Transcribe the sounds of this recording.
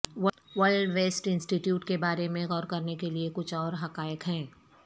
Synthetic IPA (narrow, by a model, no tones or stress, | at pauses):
w | wɐlɖʋeːsʈɪ̃nsʈiʈjuːʈkebaːɾemẽɣɔːɾkɐɾnekeliekʊt͡ʃʰɔːɾɦɐkaːjəkɦɛ̃ː